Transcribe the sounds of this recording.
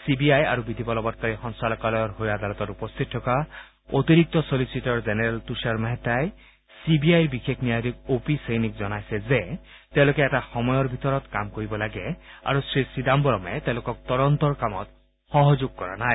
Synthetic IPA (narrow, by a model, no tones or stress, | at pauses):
sibiaja̰ɹubid̪ʱibɔlɔbɔt̚kaɹixɔnsalɔkalɔjɔɹɦojad̪alɔt̪ɔtupɔst̪ʰit̪ʰːɔka | ot̪iɾik̚t̪ɔsolisitɔɹzenɛɹɛltusaɹmaɦɛtaj | sibiajɹbixekʰniad̪ikopisejnikzɔnajsɛze | t̪ɛʊ̃lokeɛtaxɔmɔjɔɹbʱit̪ɔɹɔt̪kamkoɹibɔlaɡɛa̰ɹusɹisid̪ambɔɾɔmɛt̪ẽʊ̃lokɔk̚t̪ɔɾɔnt̪ɔɹkamɔt̪ | xɔɦɔzuɡ̚kɔɹa̰naj